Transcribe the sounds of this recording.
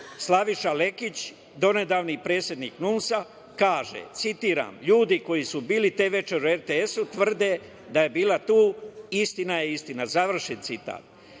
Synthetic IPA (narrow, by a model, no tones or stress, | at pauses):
slˠaʋiʃale̞kit͡ɕ | d̪o̞ne̞d̪aːʋnipɾe̞ːt̪sʲje̞d̪nḭːknunsa | kaːʒḛt̪sit̪iːɾa̰mʎuːd̪iko̞jisubiːlit̪eːʋe̞t͡ʃe̞ɾueɾt̪eesut̪ʋr̩d̪e | d̪aje̞biːlˠat̪uːist̪inajeist̪inazaʋr̩ʃent̪sit̪a̰ːt̪̚